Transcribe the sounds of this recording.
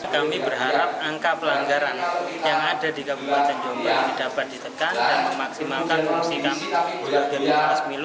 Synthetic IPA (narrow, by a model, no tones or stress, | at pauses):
kamibərɦaɾap̚aŋkapəlaŋɡaɾanjaŋadadikabupat̪and͡ʒombadidapat̪̚dit̪əkandanməmaksimalkanfuŋsikamibaɡənaaasmilʊ